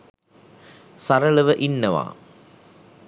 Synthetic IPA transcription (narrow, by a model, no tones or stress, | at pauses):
saɾələʋəʔinːɐʋa̰ː